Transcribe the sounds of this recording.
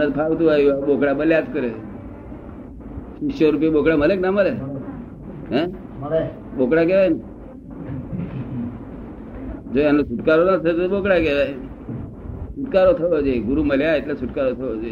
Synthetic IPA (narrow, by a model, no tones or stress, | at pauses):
nət̪pʰaɡt̪uaiʋabokɽabəljad͡zkəɾe | sisɕɔɾup̬jebokɽaməleknaməle | ɦɛ̃ | bokɽaɡeʋajna | d͡zojanːosuʈkaɾonat͡sʰət̪obokɽakeʋaj | suʈkaɾot̪ʰəʋəd͡zeɡuɾuməleait̪lasuʈkaɾot̪ʰəʋəd͡ze